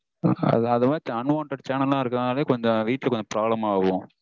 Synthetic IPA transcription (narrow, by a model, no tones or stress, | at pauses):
ɐ̰ðɐðɐmaːt͡ʃɐnʋaːɳʈɐɽt͡ʃaːnɐllãːɪɾɯkːɐðnaːlɐjeːkɔɲd͡ʒɔ̃ʋiːʈːlɐkɔɲd͡ʒɔpɾaːblɐmaːʋʊ̃